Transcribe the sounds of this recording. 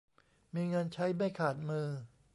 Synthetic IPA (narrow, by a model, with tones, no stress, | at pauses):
miː˧ŋɤː˧nt͡ɕʰa˦˥jma˥˩jkʰaː˨˩t̪̚mɯː˧